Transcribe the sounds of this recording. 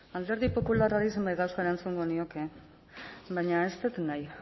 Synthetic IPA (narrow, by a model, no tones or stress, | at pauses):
ald̪eɾðipo̞pularaɾiis̬embajɣawsae̞ɾant͡suŋɡonio̞ke̞ | βajɲae̞st̪et̪naj